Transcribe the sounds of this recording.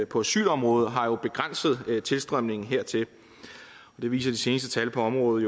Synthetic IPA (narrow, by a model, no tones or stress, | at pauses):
pʰɒ̽æsy̰ːlɒ̽mʁɔːð̞̩ˠɦɑ̈jo̝b̥e̝ɡ̥ʁan̰səð̞̩ˠt͡sʰe̝lsd̥ʁœm̰ne̝ŋn̩ɦeɐ̰t͡sʰe̝l | ɒ̽d̥e̝ʋḭːsɐd̥ise̝ːnəsd̥ət͡sʰælpʰɒ̽ɒ̽mʁɔ̽ːð̩ˠjo